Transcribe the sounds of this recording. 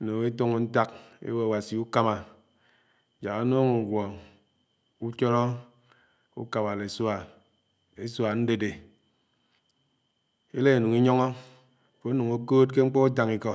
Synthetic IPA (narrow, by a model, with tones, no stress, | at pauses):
no˨ŋe˦to˦ŋu˨n̩˦ta˦k̚ḛ˦we˦a˨wa˨si˨u˦ka˦ma˨ | d͡ʒa˨ɣa˨˦noː˦ŋu˨ɡʷɔ˨ | u˦t͡ʃɔ˦ɾɔ˦ | ṵ˦ka˨ma˨le˨sa˨ | e˦swa˨n̩˦de˦de˨ | e˦le˦e˨nu˨ŋi˦ɲɔ˦ŋɔ˦˨ | fo˨˦nu˨ŋo˦ko˦t̚ke˦ŋ͡m̩˦k͡pɔ˦u˦d͡ʒa˨ŋi˨kɔ˨